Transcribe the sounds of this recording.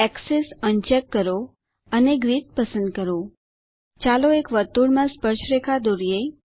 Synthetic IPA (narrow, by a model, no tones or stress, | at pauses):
ɛksesənt͡ʃekːəɾo | əneɡɾit̪̚pəsə̃nd̪̚kəɾo | t͡ʃaloekʋət̪uɽmãspəɾʃɾekʰad̪oɾije